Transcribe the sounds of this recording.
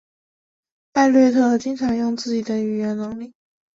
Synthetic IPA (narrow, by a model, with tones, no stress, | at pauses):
pa˥˧nlɥɛ˥˧ɪt̪ʰɤ˥˩lə˩t͡ɕi˥ŋʈ͡ʂʰɑ˧˥ŋjʊ˥˧ŋt͡sɹ̩˥˩t͡ɕi˨˩d̪ə˦y˨˩ɥɛ˧˥nnɤ˧˥ŋli˥˩